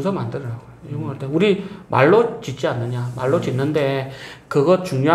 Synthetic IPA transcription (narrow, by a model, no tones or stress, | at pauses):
sʰʌmandɯɾɾaɡoioŋʌɭt͈euɾimʔa̰ɭːot͡ɕit̚t͡ɕ͈ianːɯɲamaɭːot͡ɕinːɯnde̞kɯɡʌt͡ɕuŋɲo